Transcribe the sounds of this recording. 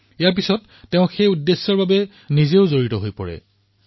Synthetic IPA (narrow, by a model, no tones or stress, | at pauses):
ijaɹp̬isɔtːeʊ̃xejudːesːɔɹbabɛ | nizeʊzoɹitɔɦojpɔ̰ɹɛ̰